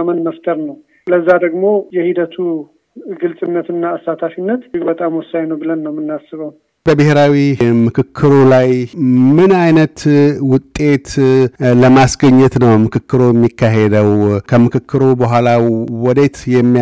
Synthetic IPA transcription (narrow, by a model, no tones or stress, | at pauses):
amənməft̪ʰəɾnəw | ləzːad̪əɡmo̞jɛhid̪ət̪ʰu | ɡɨlsʼɨnːət̪ɨnːaːsat̪ʰafinːət̪bət̪ʼamwɔsajnəwbɨlənːəwmɨnːasːɨβəwn | bəbɨheɾawimɨkʰɨkʰːɨɾolajmɨnajnət̪wʊt̪ʼːe̞t̪ləmasɡəɲːɛt̪nəwmɨkʰɨkːɨɾojɛmːikʰːaɦed̪əwkʰəmɨkʰɨkːɨɾobəɦʷalawɔd̪e̞t̪jɛmːi